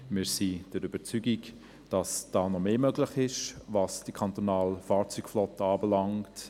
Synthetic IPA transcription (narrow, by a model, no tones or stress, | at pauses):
mɪːɾsid̥ɛɾyb̥əɾt͡syɡik | d̥ɑsd̥ɑːnɔmeːmøɡlɪχɪʃvɑsd̥əkʰɑnt̪onɑːlfaːɾt͡sykflɔtəɑːbɛlɑŋt